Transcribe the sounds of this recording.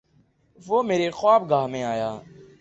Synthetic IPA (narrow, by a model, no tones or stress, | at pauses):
ʋoːmeːɾexwaːb̚ɡʱaːɦmẽaːjaː